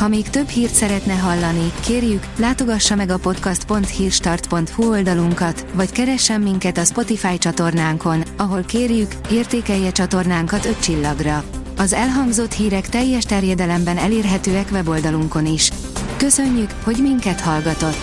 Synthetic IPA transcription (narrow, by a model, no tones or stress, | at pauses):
hɒmeːkt̪ø̞bhiːrt̪sɛɾɛt̪nɛɦɒlːɒnikeːrjyklaːt̪o̞ɡɒʃːɒmɛɡɒpo̞t̪kɒst̪po̞nt̪hiːrʃt̪ɒrt̪po̞nt̪huo̞ld̪ɒluŋkɒt̪ʋɒckɛɾɛʃːɛmːiŋkɛt̪ɒspo̞t̪ifaːjt͡ʃɒt̪o̞rnaːŋko̞nɒɦo̞lkeːrjykeːrt̪eːkɛjːɛt͡ʃɒt̪o̞rnaːŋkɒt̪ø̞tt͡ʃilːɒɡrɒ | ɒzɛlɦɒŋɡzo̞t̪hiːɾɛkt̪ɛjːɛʃt̪ɛrjɛd̪ɛlɛmbɛnɛleːrɦɛt̪øːɛkʋɛbo̞ld̪ɒluŋko̞niʃ | kø̞sø̞ɲːykho̞ɟmiŋkɛt̪hɒlɡɒt̪o̞t̪ː